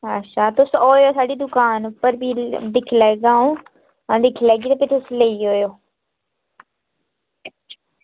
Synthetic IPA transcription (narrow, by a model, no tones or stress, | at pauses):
ətːʃʰaːt̪ʊsoːjoːsaːɖiːd̪ʊkaːnpəɾbiːd̪ɪkʰːlɛːɡãːõː | d̪ɪkʰːlɛːɡiːt̪eːpɪt̪ʰʊsleiːɦoːjoː